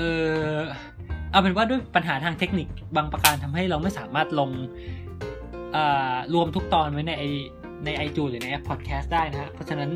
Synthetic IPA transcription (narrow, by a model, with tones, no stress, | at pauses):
ʔɤː˧ | ʔaː˧˩pʰe˩˦nwaː˥du˥˩əjpa˧nɦaː˩˦t̪ʰaː˧ŋt̪ʰe˦˥k̚ni˨˩k̚baː˧ŋpɾa˧kaː˧nt̪ʰa˧mɦa˥˩jɾa˧wma˥˩jsaː˩˦maː˥˩t̪̚lo˧ŋ | ʔɤː˨˩ɾu˧əmt̪ʰu˦˥k̚t̪ɔː˧nwa˦˥jna˧jʔa˧j | na˧jʔa˧jt͡ɕ̪ʰuː˧ɾɯː˩˦na˧jʔɛ˦˥pʰːɔː˨˩t̪̚kʰɛː˦˥st̪̚daː˥˩jna˦˥kʰa˦˥pʰɔ˦˥t͡ɕʰa˧na˦˥n